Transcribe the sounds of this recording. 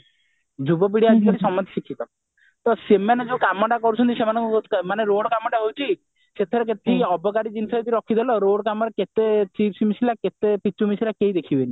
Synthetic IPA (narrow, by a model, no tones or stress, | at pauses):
d͡ʒubɔbiɽiad͡ʒikaɾisɔmɔt̪ʰi̥sikʰːit̪ɔ | t̪ɔsemaned͡ʒokamɔʈakɔɾut͡ʃʰɔnt̪isemanɔ̃ŋkɔmaneɾoɽɔkamɔʈaɦowt͡ʃʰi | set̪ʰeɾek̬et̪eiɔbɔkaɾid͡ʒinisait̪iɾɔkʰːid̪ʱelɔɾoɽɔkamɔɽaket̪et͡ʃibsimisilaket̪epit͡ʃːumisilakeid̪ekʰibeni